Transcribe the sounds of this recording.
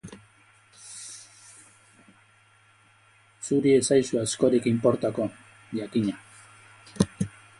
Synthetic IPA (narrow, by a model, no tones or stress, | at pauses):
suɾiesajsuasko̞ɾikimpo̞ɾt̪ako̞ | ʎakiɲa